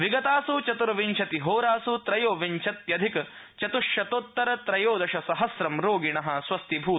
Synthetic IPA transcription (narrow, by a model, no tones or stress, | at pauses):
ʋiɡɐt̪aːsut͡ʃɐt̪uɾɐʋiɲt͡ʃʰɐt̪iɦoːɾaːsut̪ɾɐjoːʋiɲt͡ʃʰɐt̪jɐd̪ʱik | t͡ʃɐt̪uʂjɐt̪ot̪ːɐɾɐt̪ɾɐjoːd̪ɐʃɐsɐɦɐsɾɐmɾoːɡiɳɐɦɐ̆swɐst̪ibʱuː